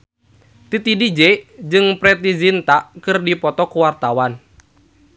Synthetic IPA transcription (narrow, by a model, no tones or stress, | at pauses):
t̪it̪idid͡ʒɛd͡ʒɨŋpɾɛt̪izint̪aʔkɨrdipɔt̪ɔkuwart̪awan